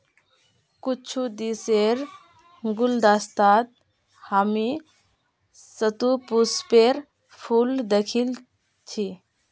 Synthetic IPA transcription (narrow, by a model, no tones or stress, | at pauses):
kut͡ʃʰud̪iseɾ | ɡuld̪ast̪at̪̚ | hami | sət̪upuspeɾ | pʰuld̪ekʰil | t͡ʃʰi